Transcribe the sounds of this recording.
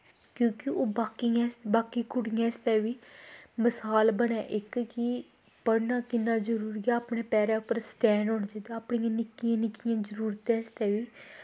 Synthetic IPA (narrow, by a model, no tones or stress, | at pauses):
kjõːkɪoːbaːkiɛ̃sbaːkiːkʊɽijãːɪst̪ɛːʋiːməsaːlbəɽɛːʔɪkki | pəɽnaːkɪnːaːzəɾuːɾiaːpɳeːpɛːɾɛːʊpːəɾsʈɛ̃ːnɦoːɳd͡ʒed̪aaːpɳiːãːnɪkɪjãːnɪkɪjãːzəɾuːɾt̪ɛ̃ːst̪ɛːʋiː